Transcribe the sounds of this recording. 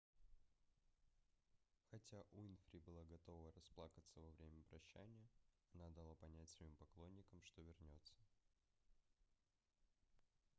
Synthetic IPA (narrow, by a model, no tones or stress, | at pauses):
xɐtʲaʔuɪnfʲɾʲibɨlˠaɡɐt̪o̞vəɾɐsplˠakət̪səvɐvɾʲemʲəpɾɐɕːæ̰nʲɪjə | ɐnad̪ɐlˠapɐnʲætʲsvɐimpɐklˠo̞nʲːɪkəmʂt̪o̞vʲɪrnʲo̞t̪sːə̥